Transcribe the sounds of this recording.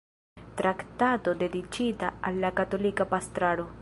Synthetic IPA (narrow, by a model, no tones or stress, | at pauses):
t̪ɾakt̪aːt̪od̪ed̪it͡ʃiːt̪aalːakat̪olikapast̪ɾaːɽo